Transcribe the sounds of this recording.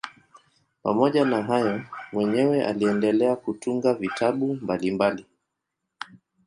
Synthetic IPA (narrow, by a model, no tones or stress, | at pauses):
pa̰mɔʄanaɦajɔmwɛɲɛwɛʔa̰liɛndɛlɛakutuŋɡavitʰaɓumbalimbali